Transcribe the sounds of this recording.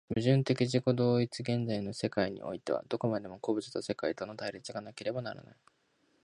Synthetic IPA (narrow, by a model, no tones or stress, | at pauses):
bɯ̟ʑɨ̃nt̪e̞kʲiʑiko̞d̪o̞ːit͡sɨɡẽ̞nd͡zaino̞se̞kaiɲ̟ḭʔo̞̰it̪e̞βa̰d̪̥o̞ko̞mad̪e̞mo̞koːbɯ̟t͡sɨ̥t̪ose̞kait̪o̞not̪aiɾʲit͡sɨɡanake̞ɾe̞banaɾa̰na̰i